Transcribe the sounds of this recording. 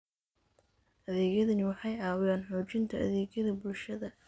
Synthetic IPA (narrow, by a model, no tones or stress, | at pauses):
ʔɐðɛːɣjɐðɐnɪwɑħɑjaːwɪjaːnħuːt͡ʃɪnt̪ʰɐʔɐ̰ðɛːɣjɐðɐbʊlʃɐðɐ